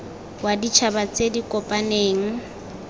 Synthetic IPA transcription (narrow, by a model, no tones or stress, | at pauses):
wadit͡ʃʰabat͡sʼedikʼɔpʼaneːŋ̩